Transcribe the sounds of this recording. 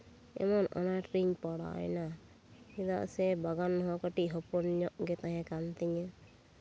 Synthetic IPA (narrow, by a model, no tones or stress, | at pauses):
ɛ̰mɔnɔ̰naʈɾiɲpɔɽa̰jna | id̪a̰ʔsɛbaɡanːɔɦɔkəʈiʔɦɔpɔnɲɔʔɡɛt̪aɦɛ̃kant̪ɛɲə